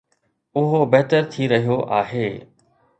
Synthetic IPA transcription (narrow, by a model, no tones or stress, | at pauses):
ʊɦobɛɦt̪əɾt̪ʰiɾɐɦijoʔaːɦeː